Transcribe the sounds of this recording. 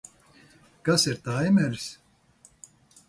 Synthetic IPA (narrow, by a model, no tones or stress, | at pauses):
kasiɾt̪ajmɛɾs